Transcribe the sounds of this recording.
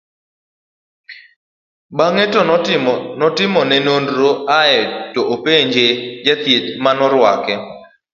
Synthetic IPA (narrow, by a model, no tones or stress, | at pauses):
baŋetɔnɔtɪmɔnɛnondɾoaɛtɔʔopeɲd͡ʒed͡ʒɛt̪jetmanɔɾwa̰kɛ